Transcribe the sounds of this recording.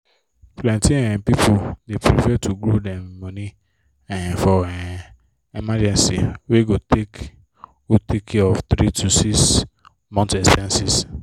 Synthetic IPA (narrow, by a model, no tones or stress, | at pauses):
flɛ̃ntĩɛ̃pipʰodepɾifɛtʰuɡɾodɛmmõni | ɛ̃fɔɛ | imad͡ʒɛ̃nsḭweɡotek | otikʰeɔft̪ɾitʰusis | mɔ̃ntɛsɛ̃nsis